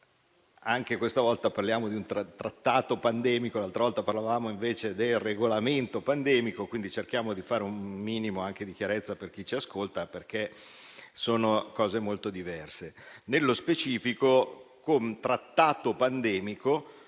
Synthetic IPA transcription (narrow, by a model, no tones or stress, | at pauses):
aŋkekwest̪avɔlt̪aparljaːmod̪iunt̪ɾat̪ɾat̪ːaːt̪opand̪ɛːmikolalt̪ɾavɔlt̪aparlavaːmoiɱveːt͡ʃed̪elreɡolament̪opand̪ɛːmikokwind̪it͡ʃerk̟jaːmod̪ifaːɾeumːiːnimoaŋk̟ed̪ik̟jaɾet̪sːaperk̟it͡ʃiaskolt̪aperke | soːnokɔːzemolt̪od̪ivɛrsenelːospet͡ʃiːfikokont̪ɾat̪ːaːt̪opand̪ɛːmiko